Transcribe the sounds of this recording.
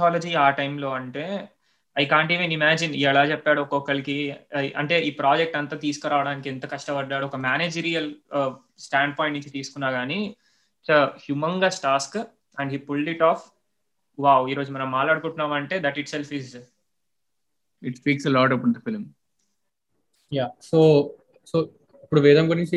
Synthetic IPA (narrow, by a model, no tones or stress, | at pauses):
aːlɐd͡ʒiːaːʈɐjmlo̞ːɐɳʈeː | ɐjkaːɳʈiːʋenimaːd͡ʒiniɛlaːt͡ʃɛpːaːɽuɔkɔkːɐɭikiʔɐ̰ɳʈe̞ːʔiːpɾaːd͡ʒek̚ʈɐnt̪aːt̪iːsu̥kuɾaːʋɐɽaːnikiɛnt̪ɐkɐʂʈɐpɐɖːaːɽuɔkɐmaːneːd͡ʒiɾijɐl | sʈaːɳɖ̚pɔːj̃ɳʈnũɲt͡ʃit̪iːsu̥kunːaːɡaːni | t͡ʃɐhjumɐŋɡaːsʈaːsk | ɐɳɖɦiːpulɖiʈaːf | ʋaːwiːɾoːd͡ʒumɐnɐmːaːʈaːɽukuɳʈːunːaːmɐɳʈe̞ːd̪ɐʈiʈselfiz | iʈspiːkselɔːʈɐpːud̪ɐfilm | jaːsoː | soː | ipːuɽuʋɛːd̪ɐmkunĩnt͡ʃi